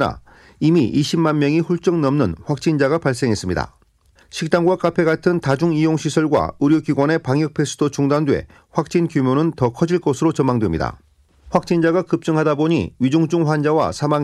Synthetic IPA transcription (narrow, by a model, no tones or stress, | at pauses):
na̰ | imiʔiɕʰimːanmjʌŋiɸuɭt͡ɕ͈ʌŋnʌmnɯnɸwak̚t͡ɕ͈ind͡ʑaɡapaɭs̬͈e̞ŋɦe̞s͈ɯmɲida̰ | ɕʰik̚t͈aŋɡwak͈apʰe̞ɡatʰɯntad͡ʑuŋijoŋɕʰisʰʌɭɡwa̰uɾjoɡiɡwʌne̞paŋjʌk̚pʰe̞sʰudot͡ɕuŋdandwe̞̰ | ɸwak̚t͡ɕ͈inkjumjonɯntʌkʰʌd͡ʑiɭk͈osʰɯɾot͡ɕʌmːaŋdwe̞mɲḭda̰ | ɸwak̚t͡ɕ͈ind͡ʑaɡakɯp̚t͡ɕ͈ɯŋɦadaboɲḭɥid͡ʑuŋd͡ʑuŋɸwand͡ʑawa̰sʰama